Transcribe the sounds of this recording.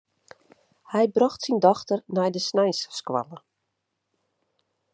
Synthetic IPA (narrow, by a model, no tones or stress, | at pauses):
hɛjbrɔxtsindɔxtərnɛjdəsnɛjsskwa̰lə